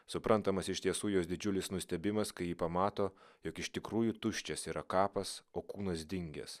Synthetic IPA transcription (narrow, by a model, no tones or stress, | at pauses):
sʊpɾʔɐnt̪ɐmɐsɪʃt̪ʲiɛsuːjoːsd̪ʲɪd͡ʒʲʊlʲɪsnʊsʲt̪ʲɛbʲɪmɐskɐɪjiːpɐmɑːt̪oːjoːkɪʃt̪ʲɪkɾuːjuːt̪ʊʃʲt͡ʃʲɛsiːɾɐkɑːpɐsoːkuːnɐs̬d̪ʲɪŋʲɡʲɛ̰s